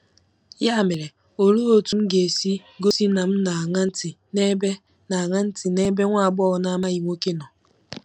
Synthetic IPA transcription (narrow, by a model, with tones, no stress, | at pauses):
ja˦˨me˨ɾe˨ | o˨ɾu˦o˦tu˨m̩˦ɡe˨si˦ | ɡo˦si˦na˨m̩˦na˨a˨ŋa˦n̩˦tɪ˨ne˦be˦ | na˨a˨ŋa˦n̩˦tɪ˨ne˦be˦ŋʷa˦a˨ɡ͡bɔ˦ɔ˨na˦ma˦ɣi˨mo˦ke˦nɔ˨